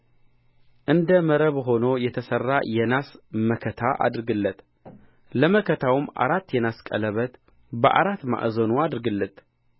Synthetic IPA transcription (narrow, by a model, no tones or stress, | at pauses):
ʔɨnd̪əməɾəβɦo̞nojɛt̪ʰəsərːajɛnasməkʰət̪ʰaʔa̰d̪ɾɡɨlːət̪ | ləməkʰət̪ʰawɨmʔa̰ɾat̪ːjɛnaskʼə̰ləβət̪ | bəʔa̰ɾat̪ːma̰ʔzonuad̪ɾɡɨlːət̪